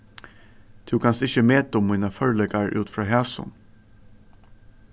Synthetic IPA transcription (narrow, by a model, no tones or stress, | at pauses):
d̪̥ʰʉːkʰɑnsd̪ɪçəmeːt̪ɔmːiːnɑfœɹlɛɡɑɾʉ̰ːt̪fɾɑːɦɛːsʊ̰n